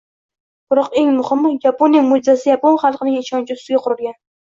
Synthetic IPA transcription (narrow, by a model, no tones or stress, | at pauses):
b̥ɪɾɒqe̞ŋmʊhɪmjaponijamʊd͡ʒɪzasɪjaponχɑlˠqʰɨnɪŋɪʃɒnt͡ʃʰɪʊst̪ɪɡʲaqʰʊɾɪlɡʲan